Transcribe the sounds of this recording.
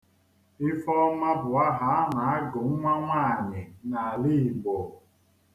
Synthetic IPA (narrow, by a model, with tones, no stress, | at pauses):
ɪ˦fɔ˦ma˦bʊ˨a˦ɦa˨a˦na˨a˦ɡʊ˨ŋ̩˦ŋʷa˦ŋʷa˦˨ɲɪ˨na˨li˦˨ɡ͡bo˨